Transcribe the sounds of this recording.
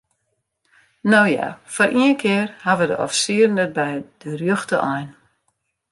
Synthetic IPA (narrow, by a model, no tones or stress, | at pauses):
nowja̰fɔrʔiənkʰɪərhaʋədə̰ʔɔ̰fsiərn̩ət̚bɛjd̥ərjøxtəʔɔjn